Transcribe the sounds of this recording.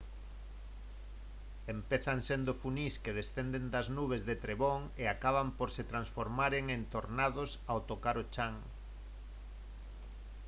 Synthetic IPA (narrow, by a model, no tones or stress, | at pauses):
empeθaŋsend̪ʊfuniskeðesθend̪end̪ɐznuβ̞ezðet̪ɾeβoŋ | eakaβ̞ampoɾset̪ɾansfoɾmaɾeŋent̪oɾnaðʊsawt̪okaɾot͡ʃaŋ